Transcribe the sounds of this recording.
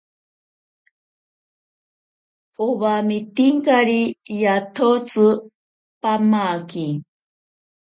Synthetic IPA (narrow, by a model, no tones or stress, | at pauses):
poβamit̪iŋkaɾijat̪ʰot͡sɨ | pamaki